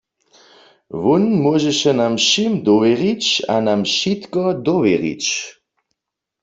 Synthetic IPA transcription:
ʋunmwɔʒɛʃɛnamʃimd̪ɔʋɛʁit͡ɕa̰namʃit̪kɔd̪ɔʋjɛʁḭt͡ʃ

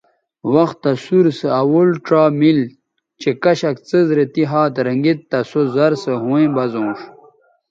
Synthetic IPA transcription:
wɐxt̪ːɐsuɾsəɐwulʈ͡ʂaːmil | t͡ɕekɐɕɐkt͡səzɾet̪iɦaːt̪ɾɐŋɡit̪ːɐsozɐɾsəɦũẽbɐzõːʂ

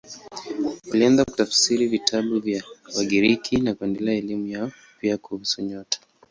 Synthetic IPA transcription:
ulianzaku̥tafsiɾivitʰaɓuvjawaɠiɾikʰinakuɛndɛlɛaɛlimujaɔ | piakuhusuɲɔtḁ

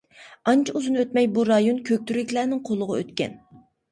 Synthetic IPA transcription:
ɑnt͡ʃʰɑuzɨnɨøt̪mɛjbuɾɑjonkʲʰøk̚ʲt̪yɾɪkʲlæːnɪŋqʰolˠʊʁɑø̰t̪kʲɛ̰n

